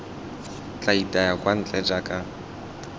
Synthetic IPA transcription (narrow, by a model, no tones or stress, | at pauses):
t͡ɬʼaitʼajakʼwan̩t͡ɬʼɛd͡ʒakʼa